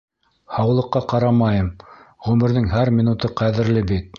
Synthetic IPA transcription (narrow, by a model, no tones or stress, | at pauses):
hɑwlˠɤ̆qːɑqɑɾɑmɑjɤmʁʉmɘ̆ɾðɘŋɦæɾmʲinut̪ɤqæðɘ̆ɾlɘbit̪̚